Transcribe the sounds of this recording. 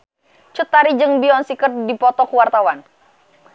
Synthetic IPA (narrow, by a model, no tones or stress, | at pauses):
t͡ʃut̪ːaɾid͡ʒɨŋbiɔnsikərdipɔt̪ɔkuwart̪awan